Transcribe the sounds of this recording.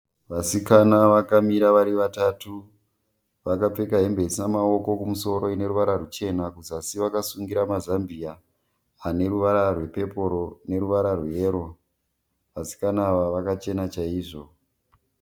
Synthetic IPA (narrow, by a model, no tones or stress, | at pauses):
ʋasikanaʋakamiɾaʋaɾiʋatatu | ʋakap͡fekaɦe̞mbe̞sinamao̞ko̞kumuso̞ɾo̞ine̞ɾuʋaɾarut͡ʃe̞nakuzasiʋakasuŋɡiɾamazambiaː | ne̞ruʋaɾarwe̞pe̞po̞ɾo̞ne̞ɾuʋaɾarwe̞ːɾo̞ | ʋasi̥kanaʋaʋakat͡ʃe̞nat͡ʃaiːʐo̞